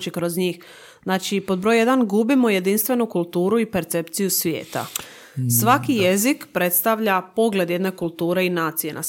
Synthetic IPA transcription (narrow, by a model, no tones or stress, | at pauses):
t͡ʃikɾo̞zɲiːx | znaːt͡ʃipo̞d̪̚bɾo̞jje̞d̪anɡubimo̞je̞d̪inst̪ʋe̞nukulˠt̪uːɾuipe̞ɾt̪se̞pt̪sijusʋjḛːt̪a̰ | sʋakijezikpɾe̞t̪st̪aʋʎapo̞ɡle̞d̪je̞d̪ne̞kulˠt̪uːɾe̞inaːt̪sije̞na̰